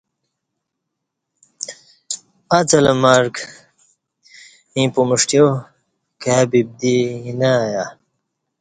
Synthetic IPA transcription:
at͡sɐlɐmaɾk | ĩpumuʂʈjo | kabib̚d̪iinaja

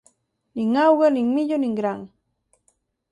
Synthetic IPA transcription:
niŋawɢaniŋmɪʎoniŋɡɾaŋ

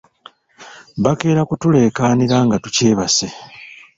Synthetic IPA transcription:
βake̞ːɾakutule̞ːkaːniɾaːŋɡatuce̞ːβase̞

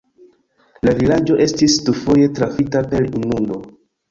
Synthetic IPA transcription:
lavilad͡ʒo̞ʔe̞stisdufo̞je̞tɾafitape̞ɾinundo

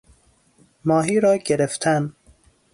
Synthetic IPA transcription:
mɒːɦiːɾɒːɟeɾeft̪ʰæn

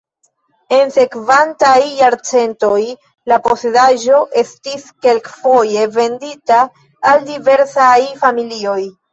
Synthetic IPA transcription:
e̞nse̞kvantajːaɾt͡se̞nto̞j | lapo̞se̞daʒo̞ʔe̞stiske̞lkfo̞je̞ve̞nditaː | ldive̞ɾsajfamilio̞j

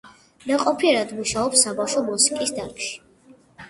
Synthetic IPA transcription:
mɛqʼɔpʰiɛɾad̪muʃaɔpsːabafʃɔmusi̥kʼisd̪aɾkʰʃi̥

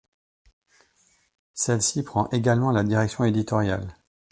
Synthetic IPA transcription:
sɛlsipχɑ̃ʔeɡalmɑ̃lad̪iʁɛksjɔ̃ed̪it̪ɔʁja̰l

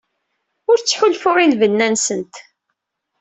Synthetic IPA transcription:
ʊɾt͡sːħʊlfʊʁinvənːænsənt̪

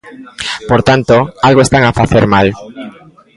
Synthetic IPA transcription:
poɾt̪ant̪oalɣoest̪aŋafaθeɾmal

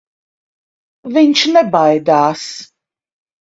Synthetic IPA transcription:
vɪɲʃnɛbajd̪aːs

